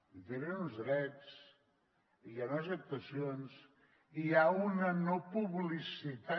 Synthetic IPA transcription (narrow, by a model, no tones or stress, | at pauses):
t̪eɾenunzðɾɛt͡s | ijanəs̬əp̚t̪əsions | iaunənopuβlisit̪a